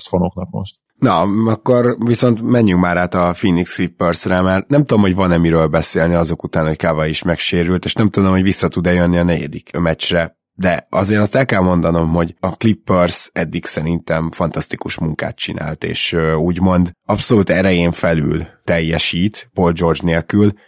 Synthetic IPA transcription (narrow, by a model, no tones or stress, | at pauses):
sfonoknɒkmo̰ʃt̪ | nɒɒkːo̞rviso̞nt̪mɛɲːyŋkmaːɾaːt̪ɒfinːiksklipːørsrɛmarnɛmt̪ud̪o̞mho̞ɟvɒnɛmiɾøːlbɛseːlniɒzo̞kut̪aːnho̞ckaːvɒjiʃmɛkʃeːɾylt̪eːʃnɛmt̪ud̪omhovisːɒt̪ud̪ɛjønːiɒnɛɟɛ̰d̪ikmɛt͡ʃrɛ | d̪ɛʔɒzeːɾɒst̪ɛlkɛlmo̞nd̪ɒno̞mɦo̞ɟɒklipːørsɛd̪ːiksɛɾint̪ɛmfɒnt̪ɒst̪ikuʃmuŋka̰ːt̪̚t͡ʃina̰ːlt̪ḛːʃøuːɟmo̞nd̪ɒpso̞luːt̪ɛɾɛjeːɱfɛly̰lt̪ɛjːɛʃiːt̪po̞ld͡ʒo̞rd͡ʒneːlkyl